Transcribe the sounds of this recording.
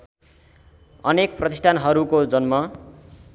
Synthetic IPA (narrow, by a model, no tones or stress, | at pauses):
ʌnekprʌt̪isʈʰanɦʌɾukod͡zʌnmʌ